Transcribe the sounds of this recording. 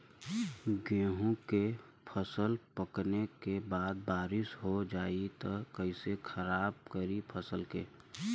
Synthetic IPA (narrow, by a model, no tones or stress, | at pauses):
ɡẽːɦõke | pʰəsəlpəknekebaːd̪̚baːɾɪsɦod͡ʒaːit̪ɐkəɪsekʰəɾaːb̚kəɾipʰəsəlkeː